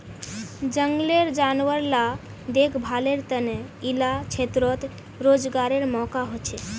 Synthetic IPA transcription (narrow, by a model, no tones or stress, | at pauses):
d͡ʒəŋɡleɾd͡ʒanʋəɾla | d̪ekʰbʱaleɾt̪əneilat͡ʃʰet̪ɾot̪ | ɾod͡ʒɡaɾeɾmɔkaɦot͡ʃʰɛ